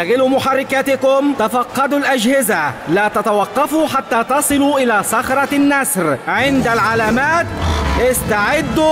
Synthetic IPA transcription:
aɣɪlumʊħarˤːɪkat̪ɪkʊmt̪afɑqːɑd̪ʊlʔad͡ʒhɪzalaːt̪at̪awɑqːɑfuːħat̪ːaːt̪ɑsˤɨluːʔɪlaːsɑxɾˤɑnːasɾʕɪnd̪alʕalaːmaːt̪̚lɪʔɪst̪aʕɪd̪ː

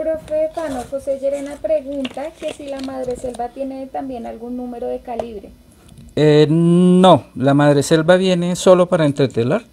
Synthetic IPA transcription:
pɾofefanoxosed͡ʒeɾenapɾe̞ɣunt̪ake̞silamaðɾe̞se̞lbat̪je̞ne̞t̪ambje̞nalɡunːũme̞ɾo̞ðekaliβɾe | enolamaðɾese̞lbaβje̞ne̞so̞lo̞paɾaent̪ɾet̪elaɾ

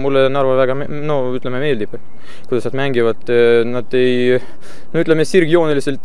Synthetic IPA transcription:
mulːenɑɾvɑvæɡ̥ɑm | no | yt̪ːlememe̞ːld̪ib̥ | kujd̪ɑsnɑd̪mæŋɡivɑd̪̥ˑnɑd̪̥e̞j | noyt̪lemesirɡjo̞ːneliselt̪ːˑ

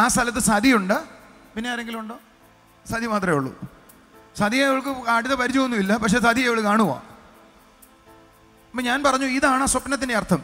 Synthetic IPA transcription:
aːst̪ʰɐlɐt̪ːɨsɐd̪ʱijuɳɖɨ | pinːeaːɾe̞ŋɡiluɳɖoː | sɐd̪ʱimaːt̪̬rɐeuɭːṵ | sɐd̪ʱijɐiʋɐɭk̬ɨaːʈiðɐpɐɾit͡ɕːuɣonːuʋilːɐpɐkʂe̞ːsɐd̪ʱijeʋɐɭkaːɳuʋa̰ː | ɐpːoːɲaːnpɐrɐɲːuiðaːɳaːswɐpnɐt̪̬ːindeɐrt̪ʰɐm

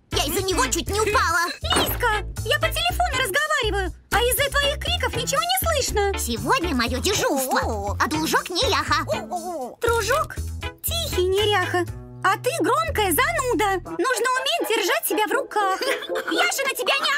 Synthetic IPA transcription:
jaɪzːənʲɪvo̞t͡ɕut̚ʲnʲɪʊpalˠəlʲiskəjapətʲɪlʲɪfonʊɾəzɡɐvaɾʲɪvəjʊ | ɐizːət̪vɐixkɾʲikəfnʲɪt͡ɕɪvonʲɪslˠɨʂnəsʲɪvo̞dʲnʲəmɐjodʲɪʐukəɐd̪lˠʊʐoknʲɪɾʲaxə | t̪ɾʊʐoktʲixʲɪjnʲɪɾʲaxə | ɐt̪ɨɡɾomkəjəzɐnud̪ənuʐnəʊmʲet̚ʲdʲɪrʐat̚ʲtʲːɪbʲavrʊkaxjaʐɨnətʲɪbʲanʲɪ

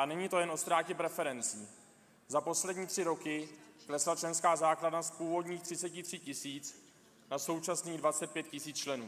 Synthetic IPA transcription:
anɛɲit̪o̞jɛnʔo̞st̪ɾaːcɛpɾɛfɛɾɛnt͡siː | zapo̞slɛdɲiːt̪r̝̥ɪɾo̞kɪklɛslat͡ʃlɛnskaːzaːkladnaspuːvo̞dɲiːxt̪r̝̥ɪt͡sɛcɪt̪r̝̥ɪcɪsiːt͡s | naso̞wt͡ʃasniːɣdvat͡sɛt̪̚pjɛt̪̚cɪsiːt͡st͡ʃlɛnuː

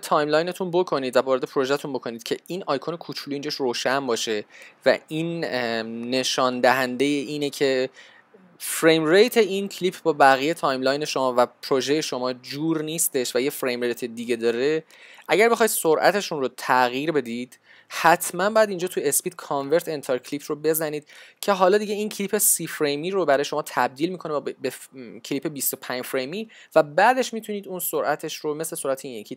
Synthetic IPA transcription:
t̪ʰɒjmlɒjne̞t̪ʰunbo̞kʰo̞niːd̪væbɒːɾed̪epɾo̞ʒæt̪ʰunbo̞kʰo̞niːd̪̚cʰe̞inɒjkʰonekʰut͡ʃʰuluːiːnd͡ʒɒʃroːʃænbɒːʃe̞væ̰ʔiːnː | e̞ʃɒːnd̪æɦænd̪e̞jeʔiːnecʰe̞ | fɾejmrejt̪ʰe̞iːncʰlipʰbɒːbæɣije̞t̪ʰɒjmlɒjne̞ʃo̞mɒːvæpʰɾoʒeje̞ʃo̞mɒːd͡ʒuːɾniːst̪e̞ʃvæjefɾejmɾejt̪ʰe̞d̪iɟe̞d̪ɒːɾe | ʔæɟæɾbexɒjid̪̥soɾʔæ̰t̪ʰe̞ʃunrot̪ʰæɣiːɾbe̞d̪id̪̥ | hæt̪ʰmænbɒːjæd̪iːnd͡ʒɒːt̪ʰuespiːd̪̥̚kʰɒnve̞ɾt̪ʰent̪ʰeɾcʰlipʰrobe̞zæniːd̪̥cʰe̞ɦɒːlɒːd̪iɟe̞iːncʰlipʰe̞siːfɾejmiːɾobæɾɒːjeʃo̞mɒːt̪ʰæb̚d̪iːlmiːkʰo̞nebecʰelipʰe̞bist̪opʰænd͡ʒfɾejmiː | væbæːd̪e̞ʃmit̪ʰuniːd̪unsoɾʔæt̪ʰe̞ʃɾomesle̞soɾʔæt̪ʰeinecʰi

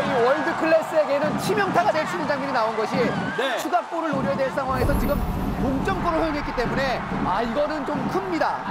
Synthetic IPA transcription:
iwʌɭdɯkʰɯɭːe̞s͈ɯe̞ɡe̞nɯnt͡ɕʰimjʌŋtʰaɡadweɭt͡ɕʰunɯnd͡ʑaŋɲʌɾinaonɡʌɕʰimʌɭt͡ɕʰuɡap͈oɾɯɭoɾjʌjadweɭs͈ʰaŋɦwaŋe̞sʰʌt͡ɕiɡɯmkoŋt͡ɕ͈ʌmp͈oɾojojoŋɦe̞t̚k͈it͈e̞mune̞ | aiɡʌnɯnt͡ɕomkʰɯmɲida

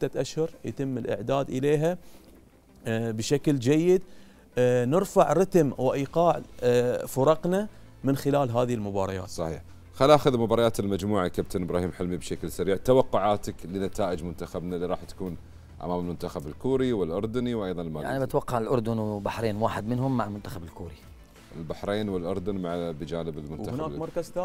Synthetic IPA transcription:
t̪ːat̪ʔaʃhʊɾˤjat̪ɪmːɪlʔɪ̰ʕd̪aːd̪ʔɪleːɦa | bʃakld͡ʒajːɪd̪ | nɪɾfaʕɾɪt̪mwɪʔiːqɑːʕfʊɾˤɑqna | mɪnxɪlaːlɦaːðɪhɪlmʊbɑːɾˤɑja̰ːt̪sˤɑħḭːħ | xalːʔaxʊðlmʊbɑːɾˤɑjaːt̪ɪlmad͡ʒmuːʕakab̚t̪ʰanʔbɾɑːhiːmħɪlmibʃaklsaɾiːʕt̪awɑqːʊʕaːt̪aklɪnat̪aːʔɪd͡ʒmʊnt̪axabnaliɾˤɑːħt̪ḁkuːn | ʔa̰maːmɪlmʊnt̪axabɪlkuːɾiwɪlʔʊɾˤd̪ʊniwʔajðˤɑnɪlmaːanibɪt̪wɑqːɑʕɪlʔʊɾˤd̪ʊnwbaħɾeːnwaːħɪd̪mɪnɦʊmːaʕalmʊnt̪axabɪlkuːɾi | ʔɪ̰lbaħɾeːnwɪlʔʊɾˤd̪ʊnmaʕbd͡ʒaːnɪbɪlmʊnwt̪hʊnaːmɑɾˤkazt̪a

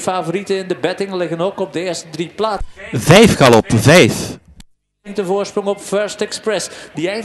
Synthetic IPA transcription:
faːvoɾitənɪndəbɛtɪŋlɪɣənoːkɔb̚dəɪːɹstədriplaːvɛjfkɑlɔpvɛjf | ŋtəvoːɹsprɔŋɔpfœɹstɛksprɛsdiɛj

